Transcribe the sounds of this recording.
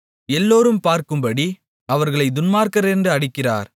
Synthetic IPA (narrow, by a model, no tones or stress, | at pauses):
ɛlːoːɾɯmpaːɾkɯmbɐɽi | ɐʋɐɾɣɐɭɐɪd̪ʊnmaːɾkɐɾɛndrɯɐɽɪkːɪra̰ːɾ